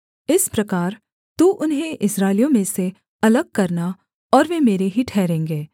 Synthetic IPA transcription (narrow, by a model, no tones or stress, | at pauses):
ɪspɾɐkaːɾ | t̪uːʔʊnɦẽʔɪsɾaːɪlijõmẽse | ɐləɡ̚kɐɾna | ɔːɾʋemeːɾeɦiʈʰɛːɾẽːŋɡeː